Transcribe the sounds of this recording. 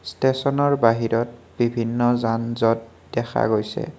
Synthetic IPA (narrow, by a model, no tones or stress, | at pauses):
stesɔnɔɹbaɦiɹɔt̚ | b̥ibʱinːɔzanzɔt | dɛxʰa̰ɡojsɛ̰